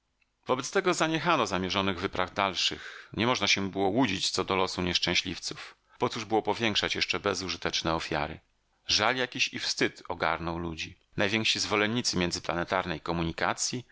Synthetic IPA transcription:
vɔbɛt̪st̪ɛɡɔzaɲɛxanɔzamʲjɛʐɔnɘɣvɘpɾavd̪alʂɘ̰xɲɛmɔʐnaɕɛbɘwɔwud͡ʑit͡ɕt̪sɔd̪ɔlɔsuɲɛʂt͡ʂɛ̃w̃ɕlʲift̪suf | pɔt̪suʐbɘwɔpɔvʲjɛŋkʂat͡ɕjɛʂt͡ʂɛbɛzuʐɨt̪ɛt͡ʂnɛɔfʲja̰ɾɘ̰ | ʐaljakʲiɕḭfst̪ɘt̪ɔɡa̰ɾnɔwlud͡ʑi | najvʲjɛŋkʂizvɔlɛɲːit̪sɘmʲjɛnd̪zɘplanɛt̪aɾnɛjkɔmuɲika̰t̪sʲji

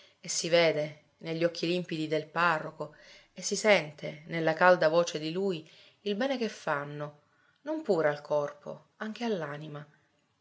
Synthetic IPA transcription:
esːiveːd̪e | neʎːɔkʰːilimpid̪id̪elparːoko | esːisɛnt̪ʰenelːakald̪avoːt͡ʃed̪iluːj | ilbɛːnekefːanːo | nompuːɾealkʰɔrpʰo̰ | aŋk̟ealːaːnima

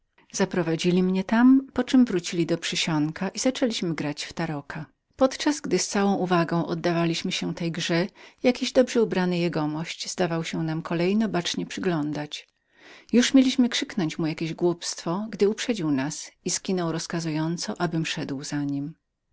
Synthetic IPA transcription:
z̥apɾɔvad͡ʑilʲimɲɛt̪ampɔt͡ʂɘmvɾut͡ɕilʲid̪ɔpʂɘɕɔŋkaʔizat͡ʂɛlʲiɕmɘɡɾat͡ɕft̪aɾɔkʰa | pɔt̪t͡ʂazɡd̪ɘst̪sawɔ̃ʔuvaɡɔ̃w̃ʔɔ̰d̪ːavalʲiɕmɘɕɛt̪ɛjɡʐɛjakʲiʑd̪ɔbʐɛubɾanɘjɛɡɔmɔɕt͡ɕz̥d̪avawɕɛnamkʰɔlɛjnɔbat͡ʂɲɛpʂɘɡlɔnd̪at͡ɕ | juʂmʲelʲiɕmɘkʂɘknɔɲt͡ɕmujakʲeʑɡwupst̪fɔɡd̪ɘupʂɛd͡ʑiwnasiskʲinɔwɾɔskazujɔnt̪sɔʔabɘmʂɛd̪wzaɲim

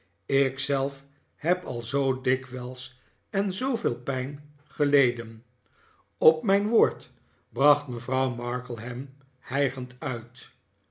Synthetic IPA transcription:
ɪksɛlˠf | hɛpɑlˠzowdɪkʋɛlˠs | ɛnzowvɪːlˠpɛjn | χəlejdən | ɔpmɛjnʋoːɹt | brɑχtməvrɑwmɑɹkəl̩ˠɦɛm | hɛjχəntœɥt

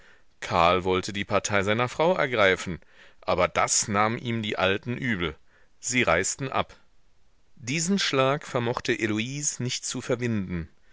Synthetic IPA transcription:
kʰaɐlvɔltʰədiːpʰaɐtʰaɪzaɪnɐfʁ̥aʊʔɛ̰ɐɡʁaɪfn̩ | ʔaːbɐdasnaːmʔiːmdiːʔaltn̩ʔyːbl̩ | z̥iːʁaɪstn̩ʔa̰p | d̥iːzn̩ʃlaːkfɛɐmɔχtəʔeluiːsnɪçtt͡sufɛɐvɪndn̩

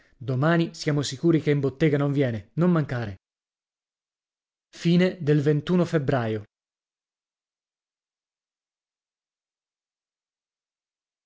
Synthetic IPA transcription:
d̪omaːnisjaːmosikuːɾikeimbot̪ːɛːɡanoɱvjɛːnenomːaŋkaːɾe | fiːned̪elvent̪uːnofebɾaːjo

